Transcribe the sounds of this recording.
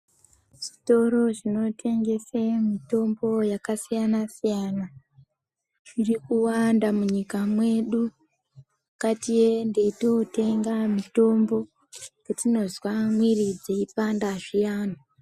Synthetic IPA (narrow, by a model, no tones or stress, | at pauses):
ʐ̥ito̞ɾo̞ʐino̞tʰe̞ŋɡe̞semito̞mbo̞jakasijanasijana | ʐ̥irikuwandamuɲikamwe̞ɗu | mukatijendetote̞ŋɡamito̞mbo̞ | kutino̞zwamwirid͡zeipandaʐijaːno